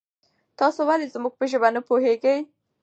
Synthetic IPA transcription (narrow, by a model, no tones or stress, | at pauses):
t̪ɑsowalezmuɡ̚pəʒəbanəpoɦeɡəj